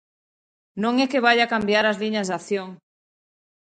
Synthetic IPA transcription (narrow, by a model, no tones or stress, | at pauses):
nõŋekeβ̞aʎakambjaɾazliɲazðaθjoŋ